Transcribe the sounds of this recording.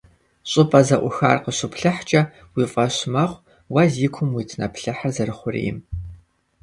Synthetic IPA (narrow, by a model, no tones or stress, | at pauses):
ɕʼɨpʼɐzɐʔʷʊxa̰ːrqəɕʊpʰɬɐħt͡ʃʼɐ | wiːfʼɐɕmɐχʷ | wɐziːkʷʰʊmwitʰnɐpʰɬɐħarzɐrɨχʷʊrḭːɪ̰m